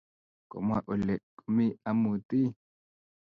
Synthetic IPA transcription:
ko̰˨mwa̰˨ʔu˨lɛ˨kʼu˨mi˦a˦mu˨t̪i˦

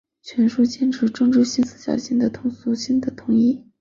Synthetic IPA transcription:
t͡ɕʰɥɛ˧˥nʂu˥˩t͡ɕjɛ˥˧nʈ͡ʂʰɻ̩˧˥ʈ͡ʂʊ˥ŋʈ͡ʂɻ̩˥ɕi˥nsɹ̩˥˩ɕjɑ̰˨˩ʊɕi˥nd̪ə˨t̪ʰʊ˧˥ŋsu˥ɕi˥nd̪ə˨t̪ʰʊ˧˥ŋi˥˩

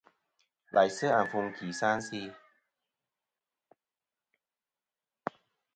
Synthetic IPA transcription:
lʔa̰˨˦jsɯ˥˩ʔa˨˩nfu˧ŋkʰiː˨˦saː˧˥˩nsiː˧

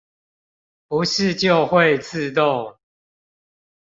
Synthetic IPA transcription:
pu˨˦ʂɻ̩˥˨t͡ɕjo˥˨ʊxwe˥˨ɪt͡sʰɹ̩˥˧t̪̬o˥˨ŋ

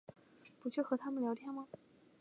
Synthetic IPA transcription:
pu˧˥t͡ɕʰɥxɤ˧˥t̪ʰa˥mə˨nljɑ˧˥ʊt̪ʰjɛ˥˩nmɐ˩

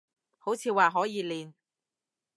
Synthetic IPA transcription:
ho˨˥wt͡sʰiː˧waː˨ɦɔː˨˥jiː˨˧liː˨˧n

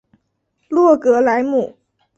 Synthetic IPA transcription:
lu˥˩əkɯ˨˩˦əlaː˨˩˦jmu˨˩

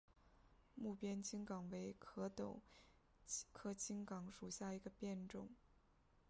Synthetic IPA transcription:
mu˥˩pjɛ˥nt͡ɕʰi˥ŋkɑ˨˩ŋwe˧˥ɪkʰɤ˧˥t̪ʊ˨˩˦ʊ | kʰɤ˥t͡ɕʰi˥ŋkɑ˧˥ŋʂu˨˩ɕja˥˩i˧˥ɡə˧pjɛ˥˧nʈ͡ʂʊ˥˩ŋ

